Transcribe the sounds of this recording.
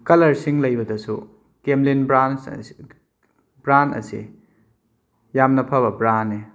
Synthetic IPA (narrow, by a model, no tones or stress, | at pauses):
kɐlɐɾsiŋlɐjbɐdɐsu | kemlinbɾans | bɾantɐ̰sḭ | jamnɐpʰaβɐbɾanːe